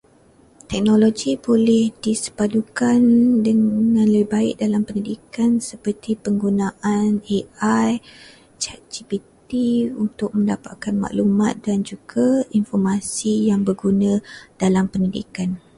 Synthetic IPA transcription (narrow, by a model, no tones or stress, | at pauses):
t̪ɛk̚noloɡibolɛhdisə̥padukandəŋŋãnləbɪhbaɪ̰ʔ̚dalampənidikansəpərt̪ipəŋɡunãʔaneaj | t͡ʃad͡ʒibit̪iunt̪ʊk̚mə̃ndapa̰ʔ̚kanma̰ʔlumat̪̚dand͡ʒuɡainfɔrmasijaŋbəɡunãd̥alampənidḭkan